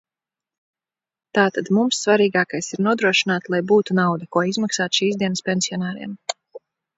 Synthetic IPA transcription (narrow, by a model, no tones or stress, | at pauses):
t̪aːt̪ad̪mumsːvaɾiːɡaːkajsiɾnuɔd̪ɾuɔʃinaːt̪lˠajbuːt̪unawd̪akuɔizmaksaːt̪ʃiːzd̪iɛnəspʲensiɔnaːɾḭɛm